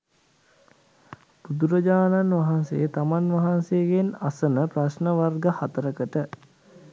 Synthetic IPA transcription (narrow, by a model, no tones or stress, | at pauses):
b̥ud̪uɾəd͡ʒaːnanʋaɦansejət̪amanʋaɦansejɡenasənəprasnəʋarɡəhat̪əɾəkəʈə